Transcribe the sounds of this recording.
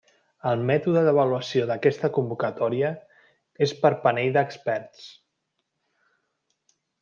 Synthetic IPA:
əlˠmɛt̪uðəðəβ̞əluəsioðəkɛst̪əkumbukət̪ɔɾiə | espəɾpəneʎd̪əkspɛɾt̪t͡s

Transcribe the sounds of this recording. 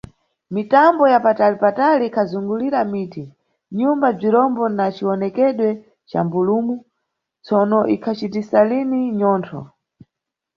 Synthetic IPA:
mitambɔjapatalipataliːkʰazuŋɡuliɾamiːti | ɲumbab͡ʐiɾɔmbɔnat͡ʃiwɔnɛkɛɗwɛ | t͡ʃa̰mbulumu | t͡sɔnɔʔikʰat͡ʃitisaliniɲɔːntʰɔ̰

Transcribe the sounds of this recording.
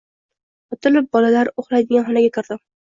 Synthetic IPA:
ɒt̪ʰʊlɪp̚bɒlalaɾoχlˠajd̪ɪɡʲanχɒnaɡʲakʰɪɾd̪ɪm

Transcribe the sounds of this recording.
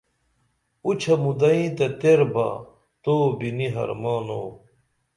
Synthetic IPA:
ut͡ɕʰɐmud̪ɐĩt̪ɐt̪eɾbɐ̰ | t̪oːbiniɦɐ̰ɾmaːno̰ː

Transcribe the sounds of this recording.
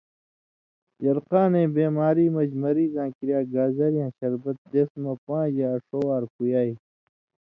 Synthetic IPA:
jɐɾqãːnẽːbeːmaːɾiːmɐd͡ʑmɐɾiːzãːkiɾjaːɡaːzɐɾijãːɕɐɾbɐt̪̚d̪esmɐpãːd͡ʑaːɐʂowaːɾkujaːi

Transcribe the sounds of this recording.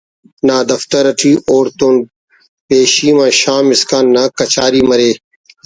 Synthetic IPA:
naːd̪ɐft̪ɐɾɐʈʰiːʔoːɾt̪oːn | peːɕiːmãːɕaːmɪskaːnːaːkɐt͡ɕʰaːɾiːmɐɾeː

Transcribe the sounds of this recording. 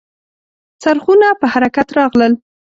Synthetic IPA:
saɾχunapəhaɾakat̪ɾɑɣləl

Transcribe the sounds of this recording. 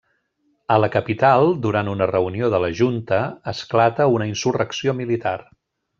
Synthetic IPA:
ələkəpit̪alˠd̪uɾant̪unərəunioðələʒunt̪əəsklat̪əunəinsurəksiomilit̪ar

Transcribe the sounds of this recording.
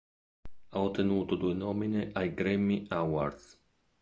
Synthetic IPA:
aot̪enuːt̪od̪uenomineʔajɡɾemːiawaɾd̪s

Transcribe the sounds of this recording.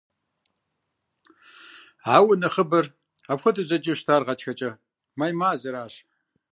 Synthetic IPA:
ʕaːwɐnɐχəbɐr | aːpxʷɐdɨzɐd͡ʒʼɪɕtʰaːrʁɐtxɐt͡ʃʼɐ | majmaːzɐɾaːɕ

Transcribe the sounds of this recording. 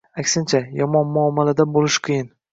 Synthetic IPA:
akʲsɪnt͡ʃʰajɒmɒnmʊɒmːalad̪abolɪʃqʰɨjɪn

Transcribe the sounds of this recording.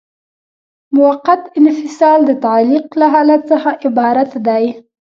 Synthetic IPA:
mʊwaqːat̪ɪnfɪsɑld̪ət̪ɑliqlaɦɑlat̪̚t͡səxaʔɪbɑɾat̪d̪aj

